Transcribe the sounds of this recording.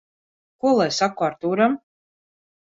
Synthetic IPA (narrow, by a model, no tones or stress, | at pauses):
kuɔlˠajsakuaɾt̪uːɾam